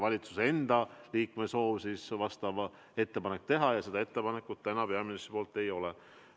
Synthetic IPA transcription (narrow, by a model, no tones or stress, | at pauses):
vɑlʲit̪su̥se̞nd̪̥ɑliːkme̞so̞ːvsisvɑst̪ɑvɑ | e̞t̪ːe̞pɑnek̚ːt̪e̞ɦɑjɑse̞d̪ɑe̞t̪ːe̞pɑne̞kːut̪t̪ænɑpe̞ɑminist̪po̞ːlt̪ːˑe̞jo̞lɛ